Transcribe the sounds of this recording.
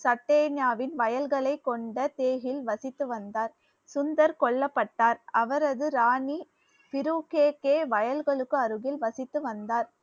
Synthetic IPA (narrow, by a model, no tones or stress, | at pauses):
sɐʈːeːnjaːʋɪnʋɐjɐlɣɐɭɐɪkːɔɳɖɐt̪eːɣɪlʋɐsɪt̪ːɯʋɐnd̪aːɾ | sʊnd̪ɐɾkɔɭːɐpːɐʈːaːɾɐʋɐɾɐðɯɾaːni | pɪɾuːkeːkːeːʋɐjɐlɣɐɭɯkːɯɐɾɯɣɪlʋɐsɪt̪ːɯʋɐnd̪aːɾ